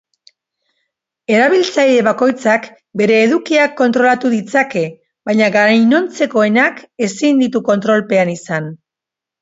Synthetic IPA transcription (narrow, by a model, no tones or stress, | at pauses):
e̞ɾaβilt͡sajɾe̞βako̞jt͡sak | be̞ɾe̞ːðukiakːo̞nt̪ɾo̞lat̪uðit͡sake̞ | bajɲaɣaɾajno̞nt͡se̞ko̞e̞nake̞sind̪it̪uko̞nt̪ɾo̞lpe̞anisan